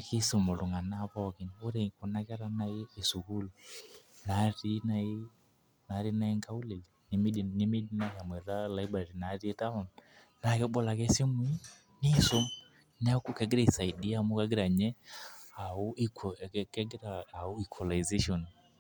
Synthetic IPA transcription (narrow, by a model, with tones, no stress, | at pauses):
ki˦so˨mo˨lʊ˨ŋa˨na˦pɔ˦kɪ˨no˦ɾe˨kʊ˨na˦kɛ˦ɾa˦na˨˦ɪ˦e˨su˨ku˦lna˨˦ɾi˦na˨ɪ˦ | na˨˦ɾi˦na˦e˦ŋka˦u˦le˨ | nɪ˦mi˦di˨nɪ˦mi˦di˦na˦ka˨mwɛ˨ɾa˦la˦jbɾa˨ɾi˨na˨˦ɾi˦ta˦ma˨n | na˨kɛ˦ɓɔ˦la˨kɛ˦si˦m˦i˦ | ni˦so˦m | n˦a˦ku˦kɛ˨˦ɡɪ˦ɾe˨sa˨i˨di˦a˦˨mʊ˦ka˦ɡɪ˦ɾa˨ɲɛ˦a˨u˦i˦kkɛ˦ɡɪ˦ɾaː˨u˦i˨kʰɔ˨la˨jze˦ʃɔ˨n